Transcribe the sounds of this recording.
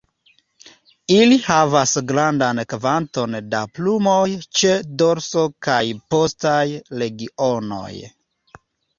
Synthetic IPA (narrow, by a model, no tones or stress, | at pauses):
ilihavasɡɾandankvanto̞nda̰plumo̞jt͡ʃe̞do̞ɾso̞kajpo̞stajle̞ɡio̞no̞̰j